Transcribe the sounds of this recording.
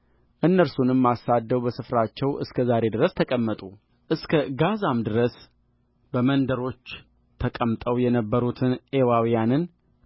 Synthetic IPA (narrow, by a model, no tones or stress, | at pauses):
ʔɨnːəɾsunɨmːasad̪ːəwbəsɨfɾat͡ʃːɛwʔɨ̰skʰəzaɾe̞d̪ɨɾəst̪ʰəkʼəmːət̪ʼu | ʔɨskʰəɡazamd̪ɨɾəs | bəmənd̪əɾo̞t͡ʃː | t̪ʰəkʼəmt̪ʼəwjɛnəbːəɾut̪ʰɨnewawijanɨn